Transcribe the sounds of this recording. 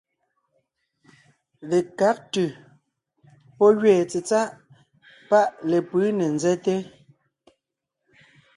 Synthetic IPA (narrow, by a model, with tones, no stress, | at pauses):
le˨ka˨˦k̚tʉ˨ | pɔ˦ɣɥɛː˨t͡se˨t͡sa˦ʔ | pa˦ʔle˨pɯ˨˦ne˨nzɛ˦te˦